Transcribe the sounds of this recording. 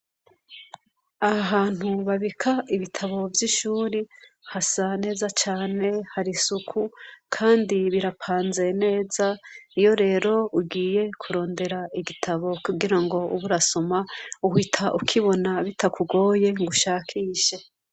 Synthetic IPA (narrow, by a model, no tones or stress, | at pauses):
ahaɦaːn̥huβaβikʰaiβitʰaβo̞vjiʃuːɾi | hasane̞ːzat͡ʃaːne̞haɾisukʰukʰaːndiβiɾapʰaːnze̞ne̞ːzaijo̞ɾe̞ːɾo̞uɡiːje̞kʰuɾo̞ːnde̞ɾaiɡitʰaβo̞kuɡiɾaŋɡo̞uβuɾasomauhitʰaʔukʰiβo̞naβitʰakuɡo̞ːje̞ŋɡuʃaːkʰiːʃe̞